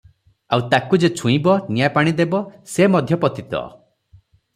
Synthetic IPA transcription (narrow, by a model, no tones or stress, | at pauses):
awt̪akud͡ʒet͡ʃʰũĩbɔnijapaɽ̃id̪ebɔsemɔd̪ʱjɔpɔt̪it̪ɔ̰